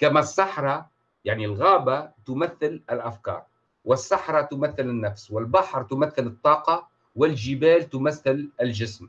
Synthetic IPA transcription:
kamæsˤːɑħɾˤɑ | jaʕnilɣaːbat̪ʊmaθːɪlɪlʔafkɑ̰ːɾˤ | wɪsːɑħɾˤɑt̪ʊmaθːɪlɪnːafswɪlbɑħɾˤt̪ʊmaθːɪlɨt̪ˤːɑːqɑ | wɪlʒɪbæːlt̪ʊmaθːɪlɪlʒɪsm

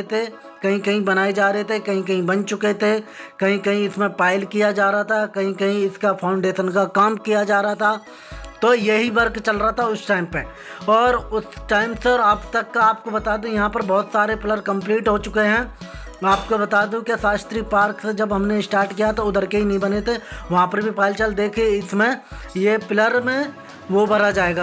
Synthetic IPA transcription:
t̪ʰe | kɐɦĩkɐɦĩbɐnaːed͡ʒaːɾɐɦet̪ʰekɐɦĩkɐɦĩbɐnt͡ʃʊket̪ʰekɐɦĩkɐɦĩɪsmẽpaːɪlkijad͡ʒaːɾaɦat̪ʰakɐɦĩkɐɦĩɪskafʰaːʊ̃ɳɖeːʃənkakaːmkijad͡ʒaːɾaɦat̪ʰa | t̪ojeɦibɐɾkt͡ʃɐlɾaɦat̪ʰaʊsʈaːɪmpe | ɔːɾʊsʈaːɪmseɔːɾaːpt̪ɐkːaaːp̚kobɐt̪aːd̪ũjɐɦãpɐɾbɔːʊt̪saːɾepɪləɾkɐ̃mpliːʈɦot͡ʃʊkeɦɛ̃ | aːp̚kobɐt̪aːd̪ũkesaːst̪ɾipaːɾksed͡ʒɐbɦɐmnesʈaːɾʈkijat̪oʊd̪əɾkeɦinɐɦĩbɐnet̪ʰeʋɐɦãpɐɾbʱipaːɪlt͡ʃəld̪eːkʰeɪsmẽjepɪləɾmẽ | ʋobɐɾad͡ʒaːeːɡaː

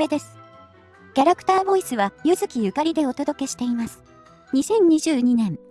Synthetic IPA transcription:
e̞d̪e̞sɨ̥ | kʲaɾakɯ̥t̪aːbo̞isɨβajɯzɨkʲijɯ̟kaɾʲid̪e̞o̞t̪o̞d̪o̞ke̞ɕi̥t̪e̞imasɨ̥ | ɲ̟isẽ̞ɲ̟ːiʑɨːɲ̟inẽ̞m

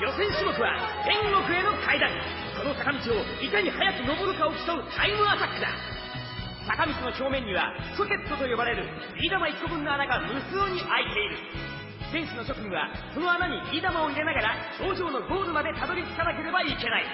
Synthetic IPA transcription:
jo̞sẽ̞ɰ̃ɕimo̞kɯ̟βa̰d͡zẽ̞ŋɡo̞kɯ̟e̞no̞kaid̪ãŋ | ko̞no̞sakamʲit͡ɕio̞ | ikaɲ̟ihajakɯ̟no̞bo̞ɾɯ̟kaokʲi̥t̪oɯ̟t̪ʰaimɯ̟at̪akːɯd̪a̰ | sakamʲit͡ɕino̞ɕo̞ːmẽ̞ɲ̟ːiβa̰soke̞t̪ːo̞t̪o̞jo̞baɾe̞ɾɯ̟ | ɾʲid̪amaikːobɯ̟̃nːoanaɡamɯ̟sɨːɲ̟iʔait̪e̞iɾɯ̟ | sẽ̞ɰ̃ɕino̞ɕo̞kɯ̟ɲiβa̰ko̞no̞anaɲ̟iid̪amao̞iɾe̞naɡaɾaso̞ːʑo̞ːno̞ɡo̞ːɾɯmad̪e̞t̪ad̪o̞ɾʲit͡sɨ̥kanak̬e̞ɾe̞baike̞naḭ

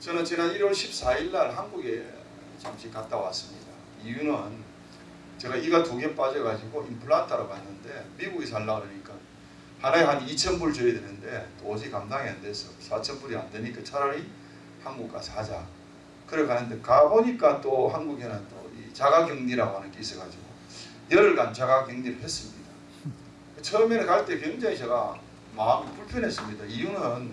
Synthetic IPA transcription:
t͡ɕʌnɯnt͡ɕinaniɾwʌɭɕʰip̚s͈aiɭːaɭɦanɡuɡe | t͡ɕomt͡ɕik͈at͈awa̰s͈ɯmɲida | ijunɯn | t͡ɕe̞ɡaiɡatoɡjemp͈ad͡ʑʌɡad͡ʑiɡoimpʰuɭatʰaɾokanːɯnde̞miɡuɡis̬ʰaɭːadeɲik͈a | hanaeɦanit͡ɕʰʌnbuɭt͡ɕɯedwenɯnde̞t͈oːd͡ʑʰikamdaŋiande̞s͈ʰʌsʰat͡ɕʰʌnbuɾia̰ndeɲik͈at͡ɕʰaɾaɾi | hanɡuk̚k͈a̰sʰad͡ʑa | kɯɾʌɭkʰanɯnde̞kaboɲik͈at͈oɦanɡuɡenant͈oit͡ɕaɡaɡjɯŋɲiɾaɡoɦanɯnkeis͈ʌɡad͡ʑiɡo | jʌɾɯɭkant͡ɕʰaɡakjɯŋɲiɾɯɭhe̞s͈ɯmɲida | ket͡ɕʰʌmjenɯnkaɭt͈e̞kweŋd͡ʑaŋiɕʰʌɡa̰ | mamipuɭpʰjʌnɦe̞s͈ɯmɲidaijunɯn

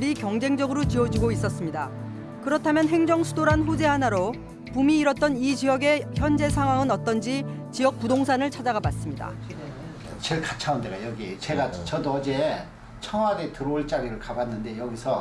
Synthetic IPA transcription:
ɾikjʌŋd͡ʑe̞ŋd͡ʑʌɡɯɾot͡ɕiʌd͡ʑiɡois͈ʌs͈ɯmɲida | kɯɾʌtʰamjʌnɦe̞ŋd͡ʑʌŋsʰudoɾanɸod͡ʑe̞ɦanaɾo | pumiːɾʌt̚t͈ʌnit͡ɕijʌɡe̞çjʌnd͡ʑe̞s̬ʰaŋɦwaŋɯnʌt͈ʌnd͡ʑit͡ɕijʌk̚pudoŋsʰanɯɭt͡ɕʰad͡ʑaɡabas͈ɯmɲida̰ | t͡ɕeɭkat͡ɕʰaundeɡajʌɡit͡ɕe̞ɡat͡ɕʌdoʌd͡ʑe̞ | t͡ɕʰʌŋwaɡetɯɾʌɭt͡ɕ͈aɾiɾɯɭkabanːɯnde̞jʌɡisʰʌ

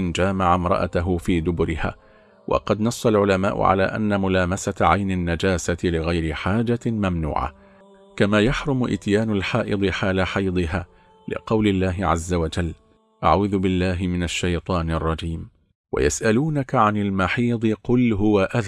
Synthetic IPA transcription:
nd͡ʒaːmaʕamɾˤɑ̰ʔa̰t̪aɦʊfiːd̪ʊbʊɾɪha̰ː | wʔɑ̰qɑd̪nɑsˤːɑlʕʊlama̰ːʔʊ̰ʕa̰la̰ːʔa̰nːamʊlaːmasat̪ʕajnɪnːad͡ʒaːsat̪lɪɣajɾɪħaːd͡ʒamamnṵːʕa̰ | kamaːjaħɾˤʊmʊʔɪ̰t̪jaːnalħaːʔɨd̪ˤɨħaːlaħɑjd̪ˤɨɦaː | lɪ̰qɑwlɪlːaːɦɪʕazːawad͡ʒalː | ʔa̰ʕuːðʊbɪlːaːɦɪmɪnaʃːajt̪ˤɑːnɪrˤːɑd͡ʒiːm | wa̰ja̰sʔaluːnakaʕanɪlmaħiːd̪ˤɨqʊlɦʊwaʔað

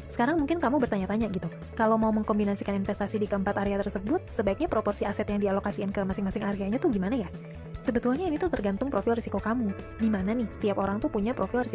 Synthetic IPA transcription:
sə̥kaɾaŋmuŋkɪnkamubərt̪aɲat̪aɲaɡit̪u | kalawmauməŋkɔmbinasikaninfɛst̪asidikəəmpat̪aɾeat̪ərsəbʊt̪̚səbaɪk̚ɲapɾopɔrsiasɛt̪jaŋdialokasiɪnkəmasɪŋmasɪŋaɾeaɲat̪uhɡimanaja | səbət̪uaɲainit̪ut̪ərɡant̪ʊŋpɾofilrisikokamu | ɡimananɪhsə̥t̪iapoɾaŋt̪upuɲapɾofilrisi

